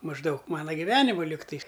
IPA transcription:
mɐʒˈdɐʊk ˈmɑːnɐ ɡʲɪˈʋʲæːnʲɪmʊ ˈlʲɪktɐɪs

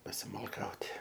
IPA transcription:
pɐsʲɪmɐlˠˈkɐʊtʲ

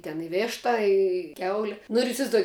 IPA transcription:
tʲɛn ɪ ˈʋʲeːʃtɐ ɪ ˈkʲɛʊlʲɪ nʊ ɪr ɪsʲɪʋɐɪzˈduɔjɪ

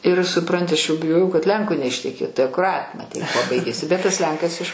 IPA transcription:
ɪr sʊˈprɐnʲtʲɪ ɐʃ jɛʊ bʲɪˈjoːjɛʊ kɐt ˈlʲɛŋkoː nʲɛɪʃʲtʲɛˈkʲeːtʊ ɪ ɐkʊˈrɐtʲ mɐˈtʲɛɪ kuɔ ˈbɐɪɡʲeːsʲɪ bʲɛt tɐs ˈlʲɛŋkɐs ɪʃ

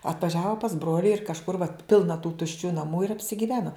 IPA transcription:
ɐtʋɐˈʒʲæːʋoː pɐs ˈbroːlʲɪ ɪr kɐʃˈkʊr ʋɐt ˈpʲɪlˠnɐ tuː tʊʃʲˈt͡ʃʲuː nɐˈmuː ɪr ɐpʲsʲɪɡʲɪˈʋʲæːnoː

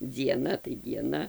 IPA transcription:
d͡zʲiɛˈnɐ tɐɪ dʲiɛˈnɐ

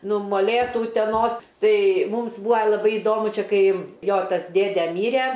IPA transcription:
ˈnʊ moːˈlʲeːtuː ʊtʲɛˈnoːs ˈtɐɪ ˈmuːms ˈbuːɐ lˠɐˈbɐɪ ɪˈdoːmʊ ˈt͡ʃʲɛ ˈkɐɪ ˈjoː ˈtɐs ˈdʲeːdʲɛ ˈmʲiːrʲɛ

